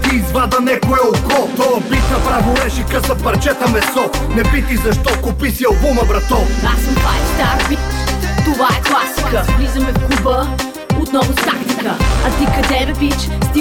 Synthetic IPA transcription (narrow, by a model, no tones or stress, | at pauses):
t̪iːzvad̪ɐnɛkʊɛʊkɔt̪ɔɐpisɐpɾavʊɾɛʃikəsɐpɐɾt͡ʃɛt̪ɐmɛsɔnɛpit̪izɐʃt̪ɔkʊpisiɐlˠbumɐvɾɐt̪ɔasɐmpajst̪aɾvit̪ovaɛklˠasikəvizɐmɛkubə | ʊt̪nɔvʊst̪akt̪ikə̰ɐt̪ikɐd̪ɛɾɐvit͡ʃd̪i